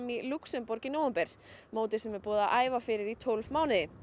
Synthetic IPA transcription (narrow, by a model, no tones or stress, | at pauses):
miluksɛmpɔɾcɪnowɛmpɛɾ̥moːwt̪ɪ̥sɛmɛɾpɔːðaʔaːjvafɪːɾɪɾit̪ʰolvmaːwnɪðɪ